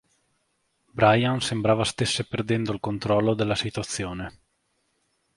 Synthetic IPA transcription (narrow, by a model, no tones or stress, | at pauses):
bɾajansembɾaːvast̪esːeperd̪ɛnd̪oilkont̪ɾɔlːod̪elːasit̪uat̪sːjoːne